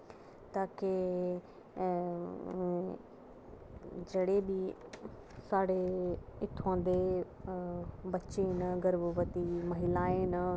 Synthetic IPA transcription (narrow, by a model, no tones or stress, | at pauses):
t̪aːke | d͡ʒeːɽebi | saːɽeɪʈʰõːnd̪e | bɐːt͡ʃenəɡəɾʋəʋət̪imɐɦɪlaːenə